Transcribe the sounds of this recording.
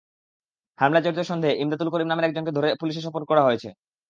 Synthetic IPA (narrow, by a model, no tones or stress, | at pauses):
hamlat͡ɕoɾd͡ʑaʃɔnd̪ʱeʔimd̪at̪̬ulkoɾimnameɾɛk̚d͡ʑonked̪ʱoɾepuliʃ̬eɾʃ̬ɔpoɾkɔɾaɦojet͡ɕʰḛ